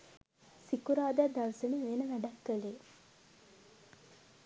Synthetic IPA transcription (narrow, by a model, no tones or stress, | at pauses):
sikuɾaːd̪æd̪alsəniʋenəʋæɖakːəleː